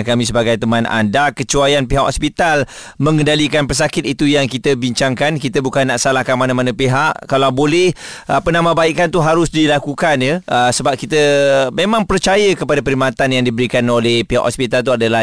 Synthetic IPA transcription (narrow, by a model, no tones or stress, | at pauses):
kamĩsəbaɡajt̪əmãna̰ndakət͡ʃuajanpiɦaʔhospit̪al | mə̃ŋəndalikanpərs̬akɪt̪̚it̪ujaŋkit̪əbiɲt͡ʃaŋkankit̪əbukanːaʔsalahkanmanãmanãpeɦaʔkalawbolɛh | ʔəpənãmãbaiʔkant̪uɦaɾʊsdilakukanjəəsəbap̚kit̪əmemãŋpərt͡ʃajəkəpadapəɾimat̪anjaŋdibəɾikanolɛhpiɦa̰ʔhospit̪alt̪uadala